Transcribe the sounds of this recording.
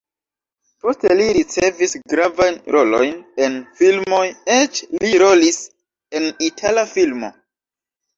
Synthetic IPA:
po̞steliɾit͡se̞visɡɾavajnɾʔo̞lo̞̰jne̞nfilmo̞jet͡ʃliɾo̞lis | e̞nitʰalafilmo̞̰

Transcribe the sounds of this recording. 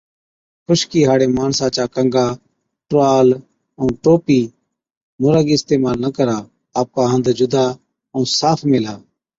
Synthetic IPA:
kʰʊʃkiːɦaːɽeːmaːnsãːt͡ʃaːkəŋɡaː | ʈoaːl | ə̃ːʈoːpiː | mʊɾaːɡiːɪst̪eːmaːlnəkəɾaː | aːp̚kaːɦə̃nd̪d͡ʒʊd̪ʱaː | ʊ̃ːsaːfʰmeːlaː

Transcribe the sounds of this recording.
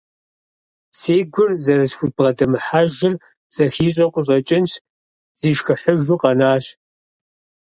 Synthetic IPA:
seːɡʷʊrzɐɾɨsxʷʊt̚b̥ʁɐdɐmɨħaːʒɪr | z̥ɐxiːɕ̬ʼɐqʷʼʊɕ̬ʼɐt͡ʃʼɪnʃ | z̥iːʃxɨħəʒuqɐnaːɕ

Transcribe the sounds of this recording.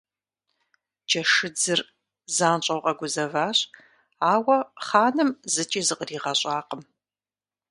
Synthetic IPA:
d͡ʒɐʂɨd͡zɨr | zaːnɕʼɐwqʼɐɡʷʊzɐvaːɕʼ | aːwɐχaːnɨmzɨt͡ʃʼiːzɨqriːʁɐɕʼaːqəm

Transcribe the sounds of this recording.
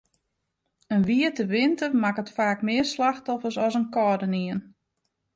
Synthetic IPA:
ənʋiətəʋɪntərmakətfaːkmɪərslaxtɔfəsɔsənkɔːdəniən

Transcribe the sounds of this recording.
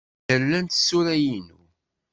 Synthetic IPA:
əɾlænt̪sːuɾæjinu

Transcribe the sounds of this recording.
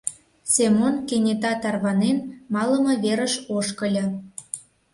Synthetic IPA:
sʲemonkenʲet̪ɑt̪ɑrβɑnenmɑlə̆mɤ̆βeɾə̆ʃoʃkə̆lʲɤ̆

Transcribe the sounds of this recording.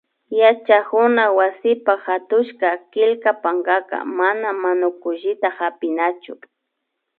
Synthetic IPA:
jat͡ʃakʊnawasɪpaxat̪ʊʃkakɪlkapaŋɡaka̰manamanʊkʊʒɪt̪ahapɪnat͡ʃʊ

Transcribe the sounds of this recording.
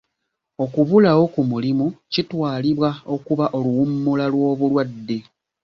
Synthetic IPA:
o̞kuβulawo̞kumulimucitwaːliβwao̞kuβaʔo̞luwumːulalwo̞ːβulwadːe̞

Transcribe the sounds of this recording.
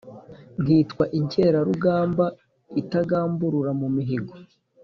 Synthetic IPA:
ŋ̥iːtkwaʔiɲce̞ːɾaɾuɡaːmba | itaɡaːmbuɾuɾamumiɦiɡo

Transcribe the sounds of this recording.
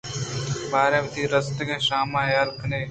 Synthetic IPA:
baːɾẽːmt̪iːɾəst̪əkẽːʃaːmãːjaːlkʰəneː

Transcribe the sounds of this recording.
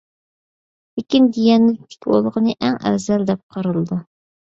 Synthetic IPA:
lekʲind̪ijɛnlɪt̪ʰɪ̥kʲo̰lˠʁənɨʔæŋɛ̰zɛld̪ɛp̚qʰɑɾɨlˠɨd̪u

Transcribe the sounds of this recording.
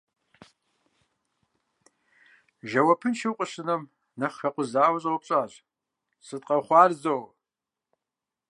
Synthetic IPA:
ʒɐwɐpʰɨnʃɨwqʷʼʊɕɨnɐm | nɐχxɐqʷʼʊzaːwɐɕʼwp̚ʼɕʼaːʑ | sɨtʼqʼɐχʷɑːrzow

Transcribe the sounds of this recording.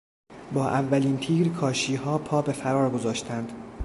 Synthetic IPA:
bɒːʔævːæliːnt̪ʰiːɾkʰɒːʃiːɦɒːpʰɒːbe̞fæɾɒːɾɡo̞zɒːʃt̪ʰænd̪̥

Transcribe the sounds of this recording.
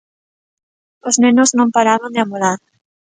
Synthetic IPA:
oznenoznõmpaɾaβõnd̪eamolaɾ

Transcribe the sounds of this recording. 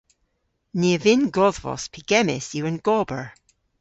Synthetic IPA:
nevɪnɡɔðvɔ̰spʰiɡ̥ɛmɪ̰sjuənɡ̥ɔbəɹ

